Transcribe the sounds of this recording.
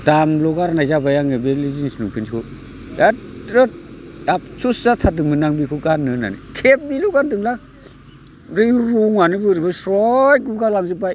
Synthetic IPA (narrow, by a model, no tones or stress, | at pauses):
d̥amlɔɡaɾnajzabajaŋebelizinsnuŋpʰɯnsikʰɯ | datɾɯt̚ap̚susatʰat̚ɯŋmɯnaŋbikʰukanːɯna̰nḭkʰep̚bilukandɯŋlak | ɾiɾuŋwanibɯɾibasɾɔjɡukalaŋzɯpaj